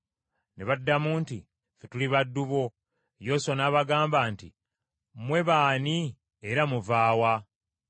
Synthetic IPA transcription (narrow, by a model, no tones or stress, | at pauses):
ne̞βadːamuːnti | fetuliβadːuβo̞ | jo̞sonaːβaɡaːmbaːntḭ | mwe̞βaːni | eɾamuvaːwa